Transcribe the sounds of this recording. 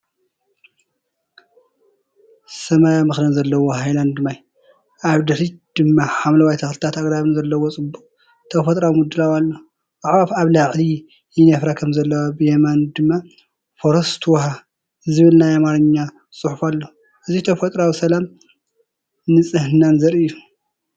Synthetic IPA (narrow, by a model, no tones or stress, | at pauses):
sɐmajamɨxlɐnzɐlːɐwoɦajland̪ɨmaj | ʔaβd̪ɐɾid̪̥ɨmːaħamlɐwajt̪ʰɐxlɨt̪ʰat̪aɡɾaβɨnzɐlːɐwot͡sʼɨbuqʼ | t̪ʰɐfɐt̪ʼɾawmud̪ɨlawalːo | aʕβafaβlaʕli | jɪnɐfɾakʰɐmzɐlːɐwabɨjɛmand̪ɨmːa | foɾɐst̪ʰwɦa | zɨβɨlnajamaɾɨɲːa | t͡sʼɨħufalːo | ʔɨzit̪ʰɐfɐt̪ʼɾawisɐlam | nɨt͡sʼɨhɨnanzɐɾɨjːu